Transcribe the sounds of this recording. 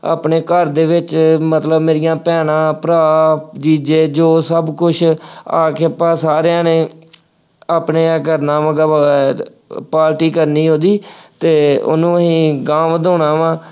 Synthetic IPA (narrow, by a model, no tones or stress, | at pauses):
a̰ːpneːkəɾd̪eːʋɪt͡ʃmət̪ləbmeːɾɪjãːpɛːnãːpɾaːpd͡ʒiːd͡ʒeːd͡ʒoːsəbkʊʃʰa̰ːkʰeəpːãːsaːɾejãːneː | aːpneːɡəɾnãːʋə̃ɡaː | paːɾʈiːkəɾniːɦõːd̪iːt̪eːʊ̰nũːəɦĩːɡãːmʋd̪oːɳãːʋãː